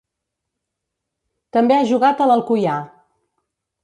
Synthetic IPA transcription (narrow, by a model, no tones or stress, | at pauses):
t̪əmbeaʒuɣat̪ələlˠkuja